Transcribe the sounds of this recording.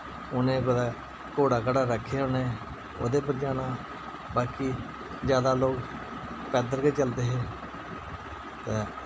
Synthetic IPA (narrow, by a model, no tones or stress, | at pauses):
ʊnẽːɡʊd̪aː | koːɽaːkəɽaːɾəkʰːeʊnẽː | o̰ːd̪eːp̬əɾd͡ʒaːɽaː | baːkiː | d͡ʒjaːd̪aːloːk | pɛːd̪əɾkeːt͡ʃəld̪eːɦeː | t̪eː